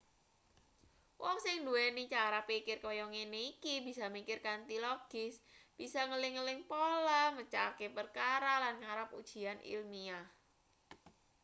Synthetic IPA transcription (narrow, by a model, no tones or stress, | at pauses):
wʔɔŋsɪŋduɛnit͡ʃaɾapikɪrkojɔŋeneikibi̤samikɪrkant̪ilɔɡ̥ɪsb̥isaŋəlɪŋəlɪŋpolamət͡ʃakepərkaɾalanŋaɾap̚ud̥ʒ̥i̤anḭlmia